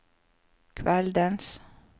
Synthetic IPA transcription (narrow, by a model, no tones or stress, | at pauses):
kʰʋɛld̪əns